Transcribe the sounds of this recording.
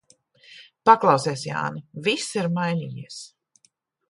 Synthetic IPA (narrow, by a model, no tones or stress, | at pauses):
paklˠɑwseːsja̰ːnivisiɾmajnḭːjḭɛs